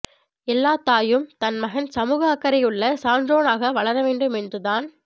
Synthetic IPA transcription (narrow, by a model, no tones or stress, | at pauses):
ɛlːaːt̪aːjɯmt̪ɐnmɐɣɐnsɐmuːɣɐːkːɐɾɐɪʊɭːɐsaːnɖroːnaːɣɐʋɐɭɐɾɐʋeːɳɖɯmɛndrɯðaːn